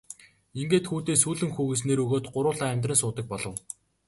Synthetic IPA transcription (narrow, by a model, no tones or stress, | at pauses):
iŋɡeːt̪xuːt̪eːsuːɮɘ̆ŋxuːɣĕs̬neːɾɵɣoːt̪ɢʊɾʊːɮaːæmʲt̪rə̆nsʊːt̪ə̆k̚pɔɮɞ̆w